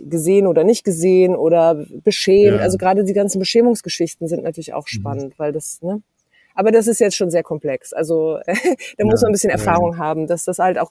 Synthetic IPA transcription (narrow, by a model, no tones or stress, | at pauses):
ɡəzeːənʔoːdɐnɪçt̚ɡ̥əzeːənʔoːɾɐbəʃɛːmtʔalzoɡʁaːdədiːɡant͡sn̩bəʃɛːmʊŋsɡ̥əʃɪçtn̩zɪntnʔatʰyɐlɪça̰ʊxʃpanəntv̥aɪldasnə | ʔaːbɐdas̬ɪstjajɛt͡stʃoːnzeːɐkʰɔmpl̥ɛksʔa̰lzoʔɛːd̥aːmʊsmanbɪsçənɛɐfaːʁ̞ʊŋɦaːbm̩dasd̥ashaltaʊx